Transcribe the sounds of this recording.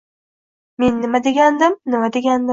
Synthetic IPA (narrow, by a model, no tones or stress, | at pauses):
me̞nːɪmad̪e̞ɡʲand̪ɪmnɪmad̪e̞ɡʲand̪ɪ